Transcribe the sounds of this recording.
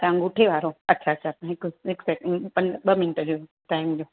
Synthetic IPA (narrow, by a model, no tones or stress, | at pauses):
t̪ɐʋãɡʊʈʰeʋaːɾoɐtːɕʰaɐtːt͡ɕʰat̪ãɪkɪksɛkpɐ̃ɲɓɐmɪnʈəd͡ʑoː | ʈaːɪmd͡ʑoː